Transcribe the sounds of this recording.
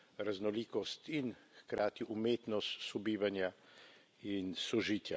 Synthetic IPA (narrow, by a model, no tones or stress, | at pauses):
ɾaznɔliːkɔst̪inxkɾaːt̪iʔumeːt̪nɔst̪sɔbiːʋanja | insɔʒiːt̪ja